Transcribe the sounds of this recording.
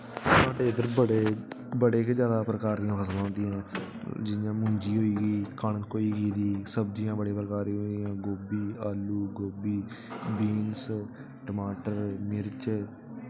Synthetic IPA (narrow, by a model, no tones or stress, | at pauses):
saːɖeːɪd̪əɾəɽeː | bəɽeːkd͡ʒjaːd̪aːpɾəkaːɾd̪ɪjãːpʰəsəlõːnd̪ɪjãːd͡ʒɪjãːmʊ̃ːɲd͡ʒiːɦoːiːɡiːkəɳːoːiːɡiːd̪iːsəbd̪ɪjãːbəɽeːpɾəkaːɾiɦõːnd̪ɪjãːɡoːbiːaːluːɡoːbiː | biːns | ʈəmaːʈəɾmɪɾt͡ʃ